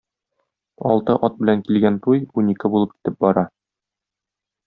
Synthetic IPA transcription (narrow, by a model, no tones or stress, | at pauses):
ɒ̰lˠt̪ɤʔɒt̪̚bɘ̆læŋkilɡænt̪ujunikɘbulˠɤp̚ki̥t̪ɘp̚bɒɾɑ